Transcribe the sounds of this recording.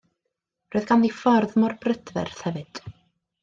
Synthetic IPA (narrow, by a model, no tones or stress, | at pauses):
roːɨðɡanðifɔrðmɔrbrədvɛ̰rθhɛvɨd̥